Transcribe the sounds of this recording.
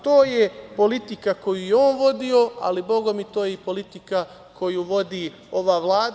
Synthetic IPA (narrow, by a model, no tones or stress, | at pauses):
t̪o̞ːjepo̞lit̪ikako̞juːjeo̞ːnʋo̞d̪io̞a̰libo̞ɡo̞mit̪o̞ːjeipo̞lit̪ika | kʰo̞juːʋo̞d̪iː | o̞ʋaːʋlˠaːd̪